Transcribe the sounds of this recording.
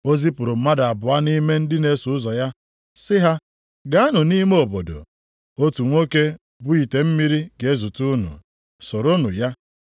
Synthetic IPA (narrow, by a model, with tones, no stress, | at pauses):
o˦zi˦pʊ˨ɾʊ˨m̩˦ma˦da˨bʊ˨a˦ni˦me˦n̩˦dɪ˦ne˨sʊ˨ʊ˦zɔ˨ja˦ | sɪ˦ɦa˦ | ɡa˦a˦nʊ˨ni˦me˦o˨bo˨do̰˨ | o˦tu˨ŋʷo˦ke˦ | bʊ˦i˨te˨m̩˦mi˦ɾi˦ɡe˨˦zu˨tu˦nʊ̰˨ | so˨ɾo˦nʊ̰˨ja˦